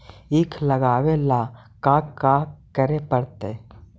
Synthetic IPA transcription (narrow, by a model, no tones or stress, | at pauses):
ɪkʰləɡaːwelaː | kakakəɾepəɽt̪eː